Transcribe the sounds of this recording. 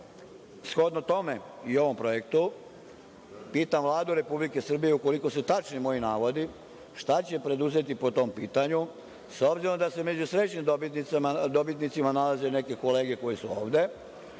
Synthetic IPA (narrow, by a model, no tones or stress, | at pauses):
sxo̞d̪not̪o̞me̞io̞ʋo̞mpɾo̞je̞kt̪u | piːt̪amʋlˠaːd̪uɾe̞publike̞sr̩bijeuko̞liko̞sut̪at͡ʃnimo̞inaːʋo̞d̪i | ʃt̪at͡ɕe̞pɾe̞d̪uze̞t̪ipo̞t̪o̞mpiːt̪aɲu | so̞bziɾo̞md̪ase̞me̞d͡ʑusɾe̞t͡ɕɲimd̪obit̪nit̪sad̪o̞bit̪nit̪simanalazene̞ke̞ko̞le̞ːɡje̞ko̞jesuo̞̰ːʋd̪e̞